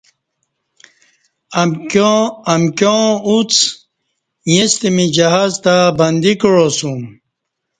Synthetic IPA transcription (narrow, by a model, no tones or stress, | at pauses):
ɐmkjõut͡s | jest̪imid͡ʑɐɦaːzt̪abɐnd̪ikɻosum